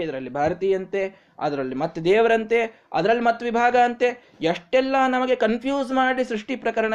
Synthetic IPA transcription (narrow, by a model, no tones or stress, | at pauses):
id̪ɐɾɐlːibʱaːɾɐt̪iːjɐnt̪e̞ | ɐ̰d̪ɐɾɐlːimɐt̪ːed̪ɛːʋɐɾɐnt̪e̞ | ɐ̰d̪ɐɾɐlːimɐt̪ːɐʋibʱaːɡɐːnt̪e | ɐʂʈɛlːɐnɐmɐɡe̞kɐnpʰjuːzmaːɽisɾuʂʈipɾɐkɐɾɐɳɐ